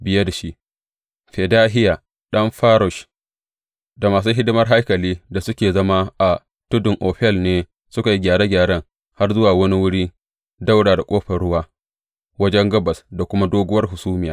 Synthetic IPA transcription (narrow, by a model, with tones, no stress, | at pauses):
bɪ˨ja˦da˨ʃi˦ʔ | ɸe˨daː˦ɦɪ˦jaː˨ | ɗɐ˦mɸaː˦ɾʊ˨ʃ | da˨maː˨s̬uː˦ɦɪ˦dʊ˦mɐ˦rɦa˦jkɐ˨liː˦da˨sʊ˦kʲeː˨zɐ˦ma˦ʔa˨ | tʊ˦dʊ˨ŋʔoː˨ɸɛ˦lneː˦ | sʊ˦ka˨ji˦ɡʲaː˨ɾe˦ɡʲaː˨ɽɐ˦ŋ | ha˦rzʊ˦waː˨wɐ˦ni˦wʊ˦ɽiː˦ | da˦wɽaː˨da˨kʷʼoː˦ɸɐ˨ɽʊ˦waː˦ | wɐ˦d͡ʒɛ˦ŋɡɐ˦bɐ˨sda˨kʷʊ˦ma˦doː˦ɡʷʊ˦wɐ˦rɦʊ˨suː˦mɪ˨jaː˦